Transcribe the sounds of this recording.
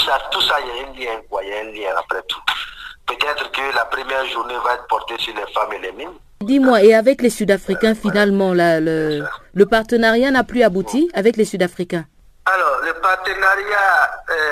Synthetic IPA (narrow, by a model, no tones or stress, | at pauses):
sat̪usailaɛ̃nljɛ̃kwaijaɛ̃ljɛ̃a̰pɾɛt̪u̥pøt̪ɛt̪ʁəkəlapɾəmjɛʁʒuʁnevaɛt̪pɔʁt̪esyʁlɛfamelɛmin | d̪imwaeavɛklesyd̪afχikʲɛ̃finalmɑ̃lalələpaʁt̪ənaʁjanaplyabut̪iavɛklesyd̪afχikʲɛ̃ | alɔʁləpaʁt̪ənaʁja